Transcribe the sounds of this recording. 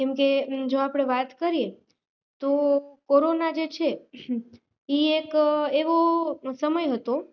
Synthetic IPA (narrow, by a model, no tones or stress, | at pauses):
kɛmked͡ʒoapɽ̃eʋat̪kəɾije | t̪okoɾonad͡ʒet͡ʃʰe | iekeʋosəməjɦət̪o